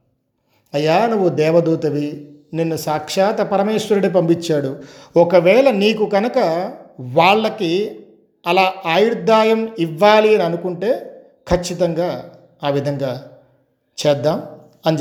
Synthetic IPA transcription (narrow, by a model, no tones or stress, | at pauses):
ɐjːaːnuʋːud̪ɛːʋɐd̪uːt̪ɐʋi | ninːusaːkʂaːt̪ɐpɐɾɐmeːʂʋɐɾuɽip̬ɐmpit͡ʃːaːɽuɔkɐʋɛːɭɐniːkuɡɐnɐkɐʋaːɭːɐki | ɐlaːaːjuɽd̪ʱːaːjɐmiʋːaːliɐniɐnukuɳʈe̞ː | kʰɐt͡ʃːit̪ɐŋɡaː | aːʋid̪ʱɐŋɡaː | t͡ʃɛːd̪ːaːm | ɐnd͡ʒ